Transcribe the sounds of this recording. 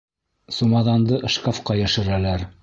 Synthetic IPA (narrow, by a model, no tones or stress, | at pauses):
sumɑðɑnd̪ɤʔɤ̆ʃkɑfqɑjæʃɘ̆ɾælæɾ